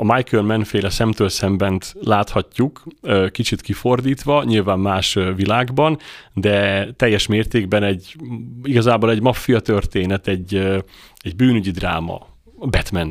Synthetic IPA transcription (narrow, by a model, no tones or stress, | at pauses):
ɒmajkølmɛnfeːlɛsɛmt̪øːlsɛmbɛnt̪laːt̪hɒcːukːkit͡ʃit̪kifo̞rd̪iːt̪ʋɒɲilvaːmːaːʃvilaːɡbɒnd̪ɛt̪ɛjːɛʃmeːrt̪eːɡbɛnɛɟiɡɒzaːboːlɛɟmɒfːijɒt̪ørt̪eːnɛt̪ɛɟː | ɛɟbyːnyɟid̪ra̰ːmɒ̰ | bɛt̪mɛn